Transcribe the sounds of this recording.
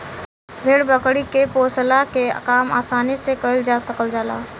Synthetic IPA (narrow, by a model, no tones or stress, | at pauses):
bʱeːɽbəkɽikeposlakekaːma̰ːsaːnisekəɪld͡ʒasəkəld͡ʒaːla̰